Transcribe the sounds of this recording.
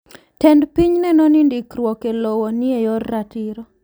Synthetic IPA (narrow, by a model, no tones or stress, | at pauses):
tɛndpiɲnɛnɔnindikɾwɔkelɔwɔniejɔrːatiɾɔ